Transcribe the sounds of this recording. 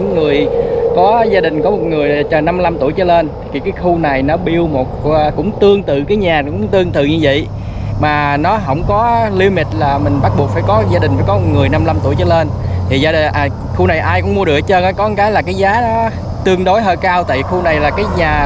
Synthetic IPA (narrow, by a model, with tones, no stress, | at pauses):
ŋːɨ˨˩əjkɔ˨˦zaː˧ɗï˨˩ŋ̟kɔ˨˦mo˨˩t̚ŋɨ˨˩əjt͡ɕɔ˨˩na˧m˧la˧mt̪u˧˩əjt͡ɕə˧˦le˧n˨˩ki˨˩kaː˨˦jxu˧na˨˩jnɔ˨˦ɓi˧əwmo˨˩t̚ːkʊ̰˧˥ŋ͡mt̪ɨ˧əŋt̪ɨ̰˧˨kaː˨˦jɲaː˨˩kʊ̰˧˥ŋ͡mt̪ɨ˧əŋt̪ɨ̰˧˨ɲɨ˧və̰˧˨j | maː˨˩nɔ˨˦ɦə̰˧wŋ͡mkɔ˨˦li˧wmi˨˩t̚laː˨˩mï˨˩ŋ̟ɓa˦˥t̚ɓu˨˩ək̚faː˧˩jkɔ˨˦zaː˧ɗï̟˨˩faː˧˩jkɔ˨˦mo˨˩ŋɨ˨˩əjna˧mla˧mt̪u˧˩əjt͡ɕə˧˦le˧nt̪ʰi˨˩zaː˧ɗʔ | xu˧na˨˩jʔaː˧jkʊ̰˧˥ŋ͡mmu˧əɗɨ˨˩ət͡ɕəː˧nʔaː˨˦jkɔ˨˦ɨ˨˦kaː˨˦jlaː˨˩kaː˨˦jzaː˨˦nɔ˨˦ | t̪ɨ˧əŋɗo˨˦jɦəː˧jkaː˧wt̪a̰ː˧˨xu˧na˨˩jlaː˨˩kaː˨˦jɲaː˨˩